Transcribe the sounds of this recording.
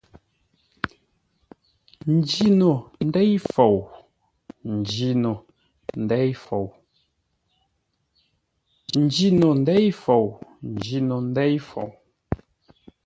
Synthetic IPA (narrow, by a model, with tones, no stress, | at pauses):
n̩˨d͡ʒi˦no˨n̩˦dɛ˦jfo˨w | n̩˨d͡ʒi˦no˨ | n̩˨dɛ˦jfo˨w | n̩˨d͡ʒi˦no˨n̩˨˦dɛ˦jfo˨wn̩˨d͡ʒi˨no˨n̩˦dɛ˦jfo̰˨w